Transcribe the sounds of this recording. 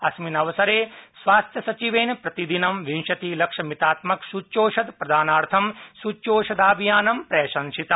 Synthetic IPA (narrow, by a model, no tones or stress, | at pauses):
ɐsminɐʋɐsɐɾeːsʋaːst̪ʰjɐsɐt͡ʃiʋeːnpɾɐt̪id̪inɐmʋinʃɐt̪iːlɐkʂɐmit̪aːt̪mɐksut͡ʃːoːʃɐd̪pɾɐd̪ʱaːnaːɾt̪ʰɐmsut͡ʃoːʃɐd̪aːbʱijaːnɐmpɾeːʃɐnʃit̪ɐ